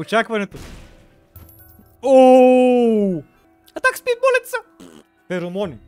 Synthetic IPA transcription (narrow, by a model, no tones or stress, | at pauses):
ot͡ʃakvɐnɛt̪o | o | ɐt̪akspibɔlʲɛt̪sə | fɛɾomɔni